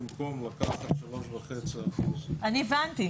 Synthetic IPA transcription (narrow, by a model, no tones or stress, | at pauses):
mkomlakaχatʃalo̞ʃvaχet͡siaχuzʔanivant̪i